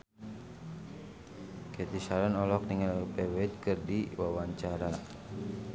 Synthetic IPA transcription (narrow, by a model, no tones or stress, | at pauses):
kɛt̪isaɾanɔlɔk̚niŋalpɛwɛit̪̚kɨrdiwawaɲt͡ʃaɾa